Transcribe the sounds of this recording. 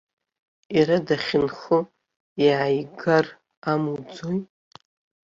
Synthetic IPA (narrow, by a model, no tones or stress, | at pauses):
iɾadaχʲɪnχə | iʕajɡar | amud͡zoj